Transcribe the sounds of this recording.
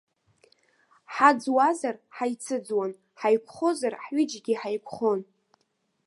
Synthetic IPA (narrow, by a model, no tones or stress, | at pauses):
ħad͡zwazarħajt͡sʰɨd͡zwan | ħajkʷʰχozarħɥʏd͡ʒɡʲiħajkʷʰχon